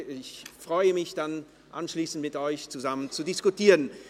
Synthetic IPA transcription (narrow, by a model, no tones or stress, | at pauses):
ɪçfʁ̥ɔʏəmɪçd̥an | ʔa̰nʃliːsn̩tmɪtʔɔʏçt͡suzamənt͡sudɪskutiːʁən